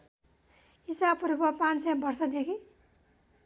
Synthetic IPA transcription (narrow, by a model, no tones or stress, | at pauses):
isabɾupʌpãnsebʌrsʌd̪ekʰi